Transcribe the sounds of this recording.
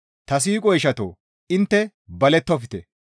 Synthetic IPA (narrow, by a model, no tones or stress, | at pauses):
t̪ɐs̬iːkʼɔjɪʃɐt̪o̰ː | ɪnt̪ːɛ | bɐlɛt̪ːɔfɪt̪ɛ